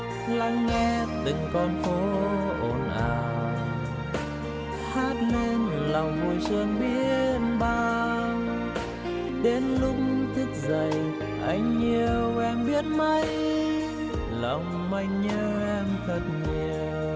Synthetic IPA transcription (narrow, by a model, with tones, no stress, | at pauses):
la˧ŋːɛ˧˥t̪ɨ˨˩ŋkɔ˧nxo˨˦ʔo˨˩nʔaː˨˩˨w | haː˦˥t̚ne˧nla˨˩wŋ͡mvu˧jswə˧nɓi˦˥əət̚ɓaː˧ | ɗe˨˦nlʊ˧˥k͡p̚ŋ͡mt̪ʰi˦˥k̚zə˨˩j | ʔa˧˩jŋ̟ɲi˨˩əwʔɛ˧mɓi˦˥ət̚mə˧j | lɔ˨˩wŋ͡m | ma˧jɲəː˧ʔɛ˧mt̪ʰə˨˩t̚ɲi˨˩əəww